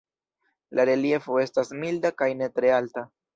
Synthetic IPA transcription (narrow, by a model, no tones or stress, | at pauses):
laɾe̞lie̞fo̞e̞stasmildakajne̞tɾe̞alta